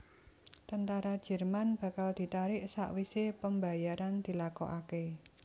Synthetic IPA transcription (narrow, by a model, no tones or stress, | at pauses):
t̪ənt̪aɾad̥ʒ̥ɛ̤rmanb̥ä̤kald̪̥i̤t̪aɾɪʔsa̰ʔwisepəmba̤jaɾand̪̥i̤lakɔ̰ʔake